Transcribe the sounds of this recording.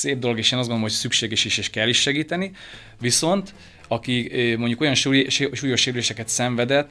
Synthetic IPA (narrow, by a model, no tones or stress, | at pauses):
seːb̚d̪o̞lo̞ɡeːʃeːnɒzɡond̪omɦocsykʃeːɡɛʃiʃeːʃkɛlːiʃːɛɡiːt̪ɛni | ʋiso̞nt̪ | ɒkimo̞ɲɟuko̞jɒnʃʃuːjoʃeːɾyleːʃɛkɛt̪sɛɱvɛd̪ɛt̪ː